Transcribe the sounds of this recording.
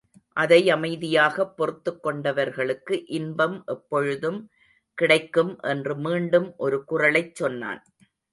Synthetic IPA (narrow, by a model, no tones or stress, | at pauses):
ʔɐðɐɪɐmɐɪðɪjaːɣɐpːɔrɯt̪ːɯkːɔɳɖɐʋɐɾɣɐɭɯkːɯʔɪnbɐmʔɛpːɔɻɯðɯm | kɪɽɐɪkːɯmʔɛndrɯmiːɳɖɯmʔɔɾɯkʊrɐɭɐɪt͡ʃːɔnːa̰ːn